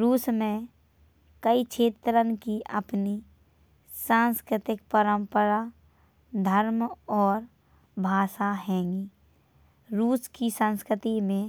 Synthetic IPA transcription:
ɾuːsmẽ | kəit͡ʃʰeːt̪ɾənkiʔə̰pni | sãːnskɾɪt̪ɪk̚pəɾə̃mpəɾa | d̪ʱəɾmɔːɾ | bʱaːsaɦɛ̃ːŋɡiː | ɾuːskisə̃nskɾɪt̪imẽ

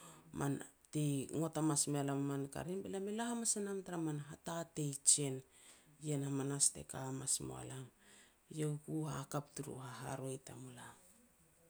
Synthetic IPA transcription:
mʔan | tiŋotamasmealamamanka̰ɾinbelamelahamasenamtaɾamanɦatate̞jt͡ʃe̞n | jenamanaste̞̰kamasmo̰a̰laŋ | jeukuhakaptuɾṵhaɦa̰ɾo̞jtamula

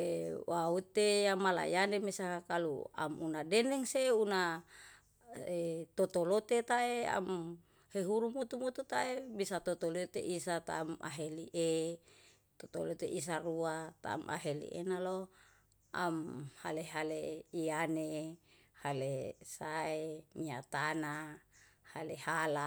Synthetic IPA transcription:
ewaut̪ejamala̰ḭjanemesakalṵa̰munadenɛŋseuna | et̪ot̪olot̪et̪aea̰m | heɦuɾumut̪umut̪ut̪aebisat̪ot̪olot̪ḛʔisat̪a̰ːma̰ɦeliʔe | t̪ot̪olot̪eʔis̬aruat̪a̰ːmʔa̰ɦelḭʔḛnalo | a̰mha̰leɦaleiane | halesaeɲiat̪ana | halehala

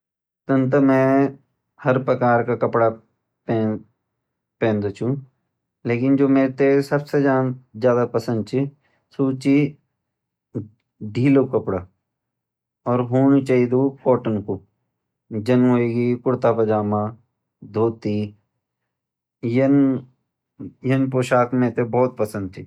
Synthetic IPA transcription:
t̪ənt̪əmɛ̃ | hɐɾpɾɐkaːɾkakɐpɽa | pe | pẽːnd̪ot͡ʃʰũ | leːkɪnd͡ʒoːmeːɾt̪esɐbsed͡ʒaːd͡ʒjaːd̪apɐsə̃nd̪̚t͡ʃʰi | suːt͡ʃi | ɖʱiːlokɐpɽaː | ɔːɾɦoːnit͡ʃaːid̪okɔːʈənko | d͡ʒənɦoːeːɡikʊɽt̪apɐd͡ʒaːmãː | d̪ʱoːt̪i | jən | jənpoːʃaːkmẽt̪ebɔːt̪̚pɐsə̃nd̪̚t͡ʃʰi

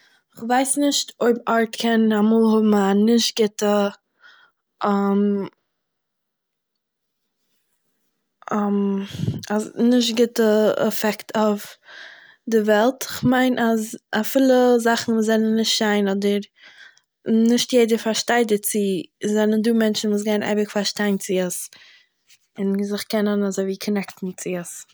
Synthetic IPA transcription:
ɪχvaɪsnɪʃtoɪbaɾtkʰɛnamuːlˠhʊbm̩anɪʃtɡ̥ɪtə | am | m | anɪʃtɡɪtəɛ̰fɛktʰaʊf | dɪvɛlˠtɪχmaɪnʔazafilˠəzaχn̩vuːszɛnənːɪʃtʃaɪnɔdəɾ | nɪʃtjeɪdəɾfaɾʃtaɪdət͡sɪzɛnənduːmɛnt͡ʃn̩vuːs̬ɡaɪnʔa̰ɪbɪkfaɾʃtaɪnt͡sɪəs | ɪnzɪχkɛnənazoɪviːkʰɔnɛktn̩t͡sɪəs

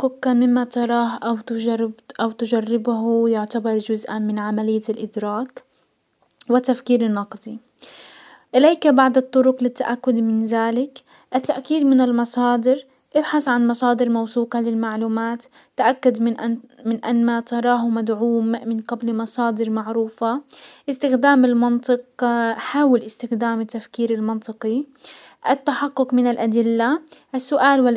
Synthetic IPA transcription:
qʊkːamɪmːat̪ɑɾˤɑːɦʔawt̪ːʔawt̪ʊʒarːɪbɦʊjʊʕt̪abɑɾˤd͡ʒʊzʔamɪnʕamalɪjːalʔɪd̪ɾɑːk | wɪt̪ːafkiːɾɪnːɑqd̪ˤi | ʔɪleːkbaʕd̪ɨt̪ˤːʊɾʊqlɪt̪ːaʔakːʊd̪mɪnðaːlɪk | ʔat̪ːaʔkiːd̪mɪnɪlmɑsˤɑːd̪ɪɾ | ʔɪbħaθʕanmɑsˤɑːd̪ɪɾmawsuːqɑlɪlmaʕluːmaːt̪ː | aʔakːʊd̪mʔmɪnʔanːat̪ɑɾˤɑːɦʊmad̪ʕuːmːɪnɡablmɑsˤɑːd̪ɪɾmaʕɾuːfaʔɪst̪ɪxd̪aːmɪlmɑnt̪ˤɨqħaːwɪlʔɪst̪ɪxd̪aːmɪt̪ːafkiːɾɪlmɑnt̪ˤɨqiʔɪt̪ːaħaqːʊqmɪnɪlʔad̪ɪlːaʔɪsːʊʔaːlwɪ

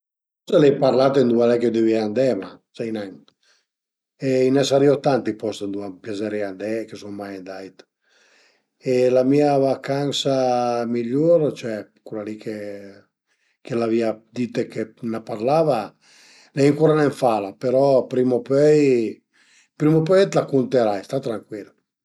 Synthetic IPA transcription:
pɔst̪alɛjpaɾlat̪end̪ualɛked̪øviand̪ɛmasɛjnan | einɛsaɾiot̪ant̪ipɔst̪end̪uampjazɛɾiand̪ɛkesuŋmajand̪ajt̪ | elamiavakansamiʎoɾt͡ʃɛ | kulalikʰe | kelaviad̪it̪ekenapaɾlava | lɛiŋkuɾanɛɱfalapeɾɔpɾimopøj | pɾimopøjɛt̪lakunt̪eɾajst̪at̪ɾaŋkwila

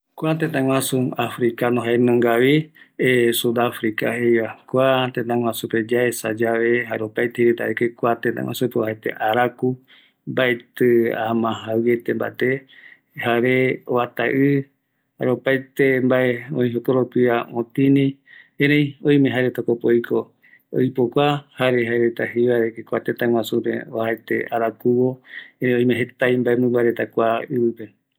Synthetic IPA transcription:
kʷat̪ẽt̪ãŋwãsuafɾikanõɦaenõŋɡaβiesud̪afɾika̰hejβakʷat̪ẽt̪ãŋʷw̃ãsuped͡ʒaesa̰d͡ʒaβeɦaopajt̪ehiɾet̪a̰ɾekekʷat̪ẽt̪a̰ŋʷa̰supeoɦaet̪ḛʔaɾaku | mbaet̪ɨa̰mãɦawet̪emba̰ʔet̪e | haɾeo̰βat̪a̰ʔɨ | haɾeopaet̪embaeõĩɦokoɾopiaõt̪ĩnĩeɾej̃õj̃mẽɦaɾet̪akopojko | o̰jpokʷahaɾeɦaeɾet̪aɦiβaɾekekʷat̪et̪ãŋw̃ãsupḛohaet̪ḛʔaɾakuwoeẽõj̃meɦet̪ajmbaʔemɨ̃mbaɾet̪akʷaɨβɨpe

